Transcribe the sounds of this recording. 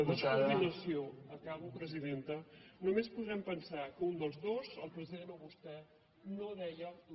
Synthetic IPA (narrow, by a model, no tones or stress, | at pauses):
əðiskɾɾminəsjoəkaβupɾəziðent̪ənumespuðɾɛmpənsakund̪əlˠzðozəlˠpɾəziðenoβust̪ɛ | noðɛʎə